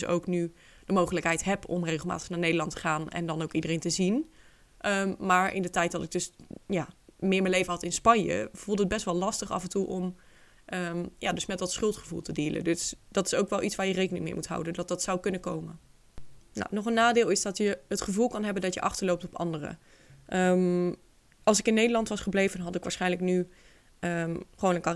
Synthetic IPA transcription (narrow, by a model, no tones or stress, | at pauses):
so̰wkny | d̥əmowχələkɦɛjtɦɛpɔ̰mrejχəlˠma̰ːtəχnaːɹnejdəɹlɑntə̥χaːnɛ̰ndɑnowkidərejntəzin | ʔəmaːɹʔɪ̰ndətɛjt̚dɑtɪɡ̚dɵsjaːmɪːɹməlejvəɦɑtɪnspɑɲjə̰vulˠdəəd̚bɛstʋɛlˠlɑstəχɑ̰vɛntuʔɔm | ʔəmjaːdɵsmɛtdɑtsχɵlˠtχəvṵlˠtədiːlə̰dɵsd̥ɑtɪ̥sowkʋɛlˠʔitsʋaːɹjərejkənɪŋmɪ̰ːɹmutɦa̰wdəndɑt̚dɑtsawkɵnəkowmən | na̰wnɔχənːaːdɪːlˠɪsdɑtjəɦətχəvulˠkɑnɦɛbəndɑtjəʔɑ̰χtəɹlowp̚tɔpɑ̰ndərə̰ | ʔəm | ʔɑlˠsɪkɪnːejdəlɑntʋɑsχəblejvənɦɑtɪkʋaːɹsχɛjnləkny | əχəʋownənka